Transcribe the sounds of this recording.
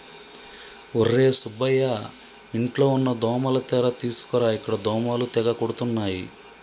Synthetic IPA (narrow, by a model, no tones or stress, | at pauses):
orːe̞ːsubɐja | iɳʈlo̞ːunːɐd̪ɔːmɐlɐt̪ɛɾɐt̪iːsu̥kɔɾaːikːɐɽɐd̪ɔːmaːlut̪ɛɡɐkoɽut̪unːaːji